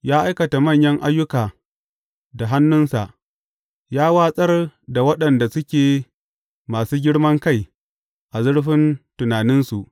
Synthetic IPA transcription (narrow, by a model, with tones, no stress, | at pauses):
jaː˦ʔa˦jkɐ˨ta˨mɐ˦˨ɲjɐ˦ŋʔa˦jːʊ˦kaː˨ | da˨ɦa˦nːʊ˦nsa˨ʔ | jaː˦waː˦sʼɐ˦rda˨wɐ˦ɗɐ˨nda˨sʊ˦kʲeː˨ | maː˨suː˦ɡʲɪ˦ɽmɐ˦ŋka˦˨j | ʔa˨zʊ˦ɽɸɪ˦ntʊ˨naː˨nɪ˦nsu˨ʔ